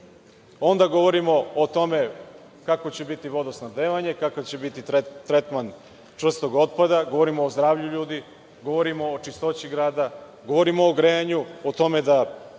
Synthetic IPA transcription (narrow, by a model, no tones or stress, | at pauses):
o̞nd̪aɡo̞ʋo̞ɾimo̞ːt̪o̞me̞ | kakot͡ɕe̞bit̪iʋo̞d̪osnad̪eːʋaɲe̞kakot͡ɕe̞bit̪it̪ɾe̞t̪man | t͡ʂr̩st̪o̞ɡo̞t̪̚pad̪aɡo̞ʋo̞ɾimoːzd̪ɾaːvʎuʎuːd̪i | ɡo̞ʋo̞ɾimo̞ːt͡ʂist̪o̞t͡ɕiɡɾaːd̪a | ɡo̞ʋo̞ɾimoːɡɾejaɲuot̪o̞me̞d̪a